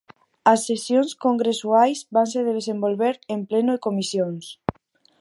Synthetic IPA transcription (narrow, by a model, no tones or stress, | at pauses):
ɐsːesjonskoŋɡɾesuajsβanseðeð̞esembolβeɾemplenoekomisjoŋs